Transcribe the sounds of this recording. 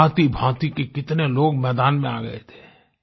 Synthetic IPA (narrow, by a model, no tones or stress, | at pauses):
t̪ibʱãːt̪ikekɪt̪neloːɡmɛːd̪aːnmẽaːɡɐ̰ḛt̪ʰe̥ː